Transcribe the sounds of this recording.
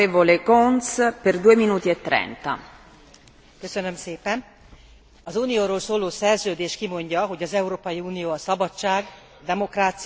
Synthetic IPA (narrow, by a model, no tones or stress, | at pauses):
eːvolekonsperd̪uːeminuːt̪iɛt̪ːɾɛ̰nt̪a̰ | køsønø̞mseːpɛn | ɒzuːnijoːɾoːlsoːloːsɛrzøːd̪eːʃkimo̞ɲɟɒɦo̞ɟɒzɛuɾoːpɒjiuːnijoːɒsɒbɒt͡ʃt͡ʃːaːɡ | d̪ɛmo̞kraːt̪s